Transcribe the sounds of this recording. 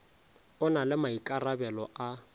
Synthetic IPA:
ʊnalɪmaikʼarabɛlɔʔa

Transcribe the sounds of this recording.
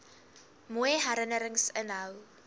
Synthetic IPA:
muəjɦæɾənəɾəŋsənɦəw

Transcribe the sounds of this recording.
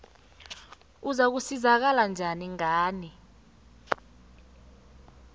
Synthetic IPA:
uzak̬usizak̬aland͡ʒʱaniŋaːni

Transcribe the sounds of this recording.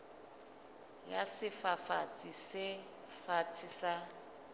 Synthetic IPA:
jasɪfafat͡sʼisɪ | fat͡sʰɪsa

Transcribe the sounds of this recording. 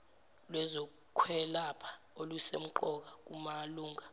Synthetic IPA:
lwɛzɔ | kʰwɛlapʰḁ | olusḛm̩ǃɔk̬ak̬umaluːŋʱa

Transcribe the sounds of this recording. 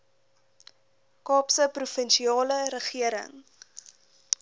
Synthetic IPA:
kɑːpsəprufənʃiɑːləɾəχiəɾə̰ŋ

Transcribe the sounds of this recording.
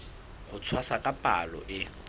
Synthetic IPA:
hʊt͡sʰwasakʼapʼa̰lɔ̰ʔɪ

